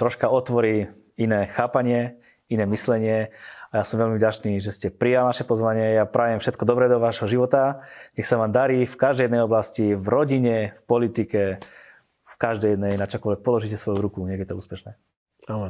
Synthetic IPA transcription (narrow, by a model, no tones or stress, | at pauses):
t̪ɾɔʃkaɔt̪ʋɔɾiː | inɛːxaːpaɲɪɛ | inɛːmislɛɲɪɛajaːsɔmʋɛlmivɟat͡ʃniːʒɛscɛpɾijalnaʃɛpɔzʋaɲɪɛjapɾaːʋjɛmfʃɛt̪kɔd̪ɔbɾɛd̪ɔʋaʒɦɔʒiʋɔt̪aɲɛxsaʋaːmd̪aɾiːfkaʒd̪ɛjɛd̪nɛjɔblascivɾɔɟiɲɛfpɔlit̪ikɛ | fkaʒd̪ɛjɛd̪nɛjnat͡ʃɔkɔlʋɛk̚pɔlɔʒiːcɛsʋɔjuɾukuɲɛɡɛt̪ɔuːspɛʃnɛː | alɛ